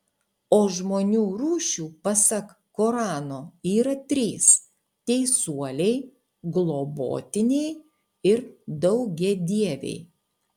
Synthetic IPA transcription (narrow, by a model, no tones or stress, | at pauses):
oːʒmoːnʲuːɾuːʃʲuːpɐsɐk | koːɾɑːnoːiːɾɐt̪ʲɾʲiːs | t̪ʲɛɪsuɔlʲɛɪ | ɡlˠoːbo̰ːt̪ʲɪnʲɛɪ | ɪɾd̪ɐʊɡʲɛd̪ʲiɛʋʲɛ̰ɪ